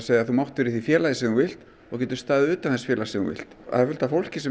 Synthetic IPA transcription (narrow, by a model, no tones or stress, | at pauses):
seːjaθumawht̪ʏɾiθifjɛːlajðɪsɛuvɪl̥t̪ | ɔɣc̬ɛːt̪ʏɾ̥st̪aːɣðʏʏːt̪amθɛsfjɛːlasɛuvɪ̰l̥t̪a̰ðfʏl̥t̪afowl̥cɪsɛ